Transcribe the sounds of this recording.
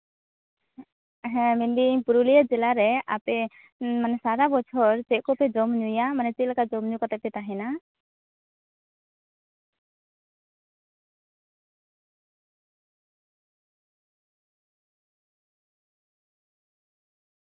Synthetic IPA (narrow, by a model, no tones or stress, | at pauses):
ɦɛ̃mɛnbipuɾulijad͡ʒɛlaɾɛapɛ | manɛsaɾabɔt͡ʃʰɔɾt͡ʃɛʔ̚kɔpɛd͡ʒɔmɲujamanɛt͡ʃɛt̪̚ˀlakad͡ʒɔmɲukɔt̪ɛʔ̚pɛt̪aɦɛna